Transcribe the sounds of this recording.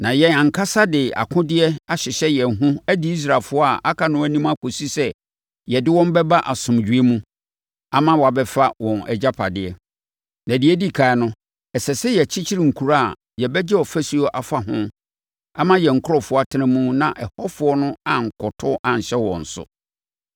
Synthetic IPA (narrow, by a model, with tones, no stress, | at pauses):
nã˨jɛ˨ã˨ŋ̩˨kʰa˦sa˦dɪ˨a̰˨kʰʊ̃˦dɪ˦ɛ˦a˨ɕɪ˨ɕɛ˦jɛ˨n˨ɦũ˦æ˦dɪ˦i˦s̬ɾa˨fʊ˦ɔ˦a˨ʔa˦kʰa˨nʊ̃˦æ˦nĩ˦mã˦kʰo˨si˦sɛ˦ | jɛ˨dɪ˦wɔ̃˦m˦bɛ˦ba˦ʔa˨sʊ̃˨md͡ʑᶣɥe˦mũ˦ | a˨mã˦wɔ˨a˨bɛ˦fa˦wɔ̃˨nɛ̰˨d͡ʑa˦pʰa˨dɪ˨ɛ˦ | nã˨dɪ˨˦ɛ˦di˦˨kʰa˨ɪ˦nʊ̃˦ | ɛ˨sɛ˨sɛ˦jɛ˨t͡ɕʰɪ˦t͡ɕʰi˦ɾi˨ŋ̩˨kʰu˨ɾa˦˨ | jɛ˨bɛ˦d͡ʑɛ˦ɔ˨fæ˦su˦o˦ʔa˨fa˦ɦʊ̃˦ | a˨mã˦jɛ˨ŋ̩˨kʰʊ˦ɔ˦˨fʊ˦a˨tʰɪ˦nɪ̃˦mũ˦nã˨ʔɛ˨hɔ˦fʊ˨˦ɔ˦nʊ̃˦a˨ŋ̩˨kʰɔ˨tʰʊ˦ʔã˨ɲ̩˨ɕɛ˦wɔ̰̃˨n̩˨sʊ̰˦